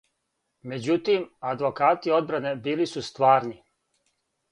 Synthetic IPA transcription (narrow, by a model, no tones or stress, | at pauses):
me̞d͡ʑut̪imad̪ʋo̞kaːt̪io̞d̪̚bɾane̞biːlisust̪ʋaːɾni